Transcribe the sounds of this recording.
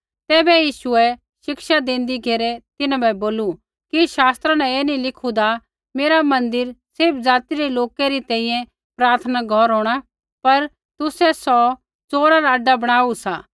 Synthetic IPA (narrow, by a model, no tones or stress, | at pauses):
t̪ɛːbɛjiːʃuɛ | ʃɪkʃad̪ẽːnd̪iɡʱeːɾɛt̪ɪnãbɛboːlu | kiʃaːst̪ɾãnɛ̃eːnĩlɪkʰud̪a | meːɾamɐ̃nd̪ɪɾsɪɾp̚ʰd͡zaːt̪iɾɛloːkɛɾit̪ɛ̃ːĩjɛ̃ | pɾaːɾt̪ʰənaɡʱɔɾɦoːɽ̃a | pɐɾ | t̪ʊsɛsɔ | t͡soːɾaɾaːɖabɐɽ̃aːusa̰ː